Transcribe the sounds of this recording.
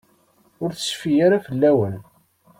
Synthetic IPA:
ʊɾθə̥sfijaɾafəlːæwən

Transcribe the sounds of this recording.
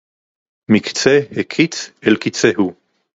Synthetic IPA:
mikt͡sehekʰit͡selkit͡sehu

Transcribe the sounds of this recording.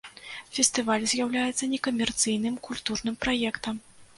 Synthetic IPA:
fʲɛst̪ɨvalʲzʲjawlʲajɛt̪sːɐnʲɛkɐmʲɛrt̪sɨjnɨmkulʲt̪urnɨmpɾajɛkt̪ɐm

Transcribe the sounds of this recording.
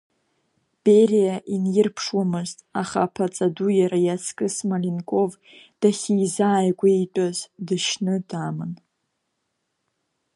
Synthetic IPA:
b̥erijaʔinjɪrpʰʂwamɨztʼaχa̰pʰat͡sʼadujaɾajat͡sʰkʼɨsmalinkʼo̞v | d̥aχʲijzaːjkʷʼaitʼazdɨʃnɨdamɨn

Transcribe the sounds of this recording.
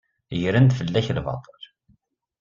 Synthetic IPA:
jɾənt̪fəlːæçlvɑ̰t̪ˤːəl

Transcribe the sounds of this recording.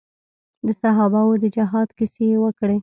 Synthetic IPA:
d̪əsaɦɑbawod̪əd͡ʒaɦɑd̪kisejwəkɽe

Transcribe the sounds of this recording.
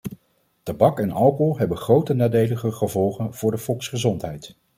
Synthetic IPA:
tɑbɑkɛnɑlˠkɔlˠɦɛbənχrowtənaːdejləχəχəvɔlˠχənv̥ʊːɹdəfɔlˠksχəzɔntɦɛjt

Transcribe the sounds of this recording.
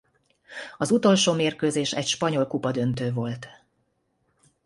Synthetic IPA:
ɒzut̪o̞lʃoːmeːrkøːzeːʃɛcʃpɒɲo̞lkupɒd̪ø̞nt̪øːvo̞lt̪

